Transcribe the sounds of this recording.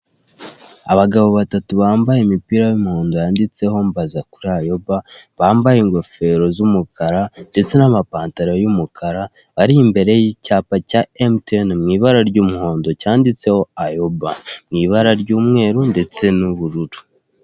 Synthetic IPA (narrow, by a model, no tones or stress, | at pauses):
aβaɡaβo̞βatatuβaːmbajemipiɾajumuho̞ːndojaːndit͡se̞ho̞mbazakuɾiajo̞baβaːmbajeŋɡo̞fe̞ɾo̞zumukʰaɾande̞t͡se̞namapaːntaɾojumukʰaɾa | βaɾiːmbe̞ɾe̞jicaːpacaemtnmŋiːβaɾaɾɟuːmuɦo̞ːndo̞caːndit͡se̞ho̞ajo̞bamŋiːβaɾaɾɟuːmŋe̞ːɾunde̞t͡se̞nuβuɾuɾu̥